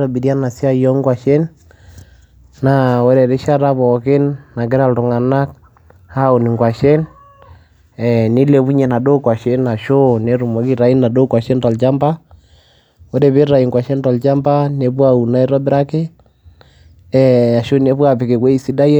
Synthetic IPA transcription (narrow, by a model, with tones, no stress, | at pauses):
ɾɔ˨bi˨ɾja˦na˨si˦a˦jɔ˦ŋɡwa˨ʃɛ˦n | a˨wo˦ɾɛ˨ɾe˦ʃa˦ɾa˦βɔ˨ke˦nːa˨k̬e˦ɾa˨lɾo˨ŋa˨na˦k̚ | ha˦o˨ni˨ŋɡwa˨ʃɛ˦n | ɛni˦lɛ˨βu˦ɲɛ˨na˨do˦kwa˨ʃɛ˦na˨ʃo˦ne˨ɾu˨ma˨˦ki˦ɾa˨i˦nːa˨do˦kwa˨ʃɛ˦nta˨lt͡ʃa˦mba˦ | wo˦ɾɛ˨βe˦ɾa˨i˨ŋɡwa˨ʃɛ˦ntɔ˨lt͡ʃa˦mba˦ne˨βwa˦u˨na˨i˦ɾɔ˦bɪ˦ɾa˦ke˦ | ɛa˨ʃo˦ne˦βwa˨pe˨ke˨kwe˦i˦˨si˦da˦jɛ˦